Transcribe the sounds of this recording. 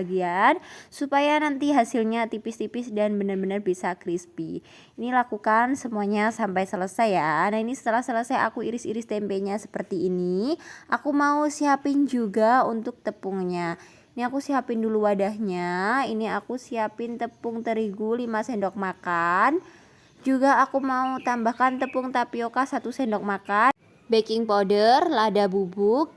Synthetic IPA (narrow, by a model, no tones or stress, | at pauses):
ɡiansupajanant̪iɦasɪlɲat̪ipɪst̪ipɪsdanbənərbənərbisakɾispi | inilakukansəmuaɲasampajsələsajanahinisə̥t̪əlahsələsaja̰kuiɾɪsiɾɪst̪ɛmpeɲasə̥pərt̪iːniʔakumausiapɪnd͡ʒuɡaunt̪ʊk̚t̪əpuŋɲa | iniakusiapɪnduluwadaɦɲainiakusiapɪnt̪əpʊŋt̪əɾiɡulimasɛndɔk̚makan | d͡ʒuɡaːkumaut̪ambahkant̪əpʊŋt̪apiokahsat̪usɛndɔk̚maka | bekɪŋpodərladabubʊk̚